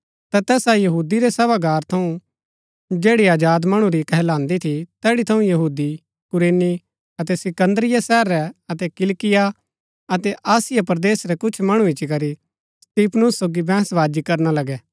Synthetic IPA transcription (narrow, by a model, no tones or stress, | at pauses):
t̪at̪ɛːsajɐɦuːd̪iɾɛsɛbaɡaːɾt̪ʰɐũ | d͡ʒeːɽiaːd͡ʒaːd̪mɐɽ̃ũɾikɐɦlãːnd̪it̪ʰit̪ɛːɽit̪ʰɐũjɐɦuːd̪i | kʊɾeːni | ɐt̪ɛsɪkə̃nd̪ɾɪjasɛːəɾːɛɐt̪ɛkɪlkɪja | ɐt̪ɛʔaːsɪjapɐɾd̪eːsɾɛkʊt͡ʃʰmɐɽ̃ũɪt͡ʃikɐɾi | st̪iːpʰnʊsːoːɡibɛ̃ːsʋaːd͡ʒikɐɾnalɐɡɛː